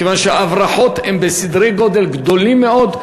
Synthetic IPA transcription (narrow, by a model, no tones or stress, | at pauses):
evanʃeavʁaħo̞t̪hembesid̪ʁejɡo̞d̪e̞lɡd̪o̞limːeo̞d̪